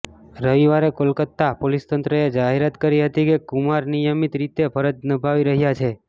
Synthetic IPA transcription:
ɾəʋiʋaɾekolkət̪ːapolist̪ənt̪ɾəed͡ʒaɦeɾat̪kəɾiɦət̪ikekumaɾnijəmit̪ɾit̪epʰəɾəd͡ʒnəbʱaʋiɾəɦjat͡ʃʰe

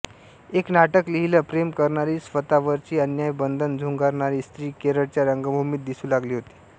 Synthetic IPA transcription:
eknaʈəkliɦiləpɾemkəɾɳaɾiːsʋət̪aʋəɾt͡ɕiːənjajbənd̪ʱənd͡zʱuŋɡaɾɳaɾiːst̪ɾiːkeɾəɽt͡ɕjaɾəŋɡəbʱumiːt̪̚d̪isuːlaɡliːɦot̪i̥ː

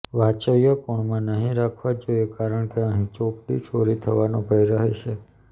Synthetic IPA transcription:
ʋat͡ʃəʋjəkoɳmãnəɦĩɾakʰʋad͡ʒoiekaɾəɳkeəɦĩt͡ʃopɽḭt͡ʃʰoɾit̪ʰəʋanõbʱəjɾəɦeʃe

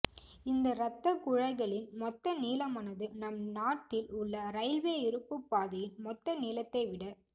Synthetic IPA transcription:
ɪnd̪ɐɾɐt̪ːɐkʊɻɐɪɣɐɭɪnmɔt̪ːɐniːlɐmɐnɐðɯnɐmnaːʈːɪlʊɭːɐɾɐɪʋeːɪɾɯpːɯpːaːðɐjɪnmɔt̪ːɐniːlɐt̪ːɐɪʋɪɽɐ

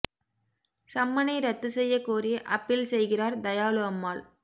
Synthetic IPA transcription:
sɐmːɐnɐɪɾɐt̪ːɯsɛjːɐkːoːrɪjɐʔɐpːɪlsɛjɣɪraːɾd̪ɐjaːlɯɐmːaːɭ

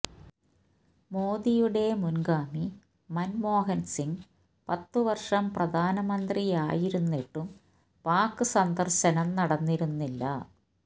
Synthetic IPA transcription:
mo̞ːd̪ijuɽe̞munɡaːmi | mɐnmo̞ːɦɐnsiŋɡ | pɐt̪ːuʋɐrʂɐmprɐd̪ʱaːnɐmɐnd̪riaːjiɾunːiʈːum | paːkːɨsɐnd̪ɐrɕɐnɐmnɐɽɐnːiɾunːilːɐ̰

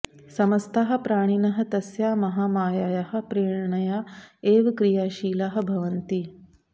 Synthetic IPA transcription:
sɐmɐst̪ʰɐɦɐ̆pɾaːɽ̃inɐɦɐ̆t̪ɐsjaːmɐɦaːmaːjaːjɐhɐ̆pɾeːɽɳɐjaːeːʋkɾijaːʃiːlɐɦɐ̆bʱɐʋɐnt̪i

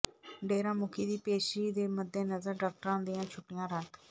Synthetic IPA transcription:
ɖeːɾãːmʊkʰiːd̪iːpeːʃiːd̪eːməd̪ːeːnəzəɾɖaːk̚ʈəɾãːd̪iːãːt͡ʃʰʊʈːijãːɾək̪ʰ

